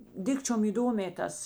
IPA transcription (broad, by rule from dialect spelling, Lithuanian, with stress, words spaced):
ˈdʲɪkt͡ʃʲoːm iːˈdoːmʲeː ˈtɐs